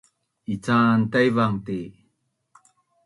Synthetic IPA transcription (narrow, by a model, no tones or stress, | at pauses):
it͡santajvaŋt̪e